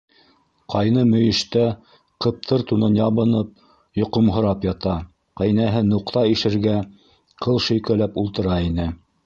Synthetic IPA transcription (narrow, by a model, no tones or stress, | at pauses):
qɑjnɤmɵ̆jɘ̆ʃt̪æ | qɤ̆p̚t̪ʰɤɾt̪unɤnjɑβɤ̆nɤp̚ | jŏqŏmɦɤ̆ɾɑpjɑt̪ɑ | qæjnæɦɘnuqt̪ɑiʃɘ̆ɾɡæ | qʰɤlˠʃɵ̆jkælæpulˠt̪ɤ̆ɾɑinɘ